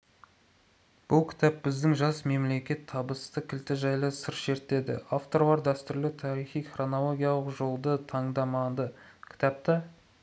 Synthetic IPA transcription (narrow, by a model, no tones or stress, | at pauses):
b̥ʊlˠkʲʰɪ̥t̪ʰæp̚bɪzd̪ɪŋʒɑsme̞mle̞kʲe̞t̪ʰːɑbəst̪əkʲʰɪlt̪ɪʒɑjlˠəsəɾʃe̞ɾt̪e̞d̪ɪ̰ʔaft̪o̞ɾlˠɑɾd̪æst̪ʏɾlɪt̪ʰɑɾijχijχro̞no̞lˠo̞ɡʲijɑlˠəqʒo̞lˠd̪ət̪ʰɑɴd̪ɑmɑd̪əkʲʰɪ̥t̪ɑp̚t̪ɑ